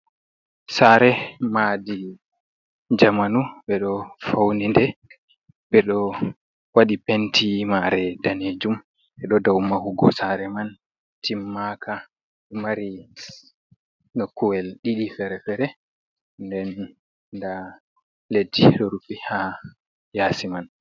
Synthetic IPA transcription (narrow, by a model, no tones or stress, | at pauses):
saɾɛmadi | d͡ʒamanuɓɛɗɔfawnindɛ | ɓɛɗɔ | waɗipentʰimaɾɛdaned͡ʒum | ɓɛɗɔdawmahuɡɔ̰saɾɛman | timːakʰa | maɾi | nɔkuwɛlɗiɗifɛɾɛfɛɾɛ | ndɛn | da | ledːiɗɔɾupiha | jaːsiman